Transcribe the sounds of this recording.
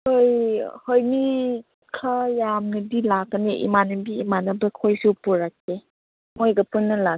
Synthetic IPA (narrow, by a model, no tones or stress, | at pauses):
hojhojmi | kʰɐjamnɐdilakːɐneʔḭmanɐbiːmanɐbɐkʰojsupuɾak̚ːe | mojɡɐpunːɐla